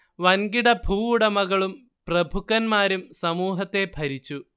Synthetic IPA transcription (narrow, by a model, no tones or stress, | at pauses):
ʋɐnɡiɽɐbʱuːuɽɐmɐɣɐɭum | prɐbʱukːɐnmaːɾumsɐmuːɦɐt̪ːe̞bʱɐɾit͡ɕːu